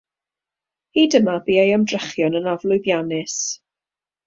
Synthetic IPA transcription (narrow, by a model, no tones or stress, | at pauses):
hiːdəmabiːajamdrɛχjɔnənavlˠʊjðjanɪs